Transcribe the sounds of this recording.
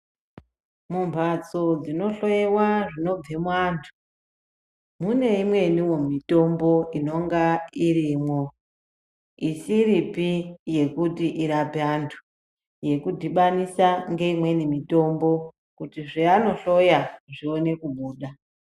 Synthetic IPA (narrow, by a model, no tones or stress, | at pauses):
mumpat͡so̞d͡zino̞ɬo̞jewaʐino̞b͡vemwaːntʰu̥ | mune̞imwe̞niwo̞mito̞mbo̞ino̞ŋɡairimwo̞ | isiɾipije̞kutiʔiɾapeantʰu̥ | je̞kudʱiɓanisaŋɡe̞imwe̞nimito̞mbo̞ | kutiʐiano̞ɬo̞jaʐione̞kuɓuːɗa